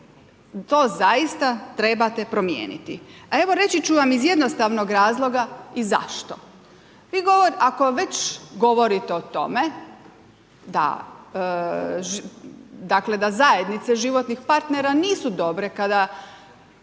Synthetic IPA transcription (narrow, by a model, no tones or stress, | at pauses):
t̪o̞ːzaist̪at̪ɾe̞bat̪e̞pɾo̞mjḛːnḭt̪iae̞ʋo̞ɾe̞t͡ɕit͡ɕuʋamizje̞d̪nost̪aʋno̞ɡɾaːzlˠo̞ɡaiza̰ʃt̪o̞ | ʋiːɡo̞ʋoɾʔako̞ʋe̞t͡ɕɡo̞ʋo̞ɾit̪eot̪o̞̰me | d̪a̰ | ʒ | d̪akle̞d̪azae̞d̪nit̪seʒiʋo̞t̪nixpaɾt̪neɾaniːsud̪o̞bɾe̞kad̪a